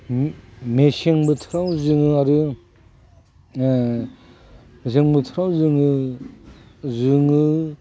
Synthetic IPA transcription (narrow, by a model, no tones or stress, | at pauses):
meseŋmɯtʰɾawzɯŋɯaɾɯ | meseŋmɯt̪ʰɾawzɯŋɯ | zɯŋɯ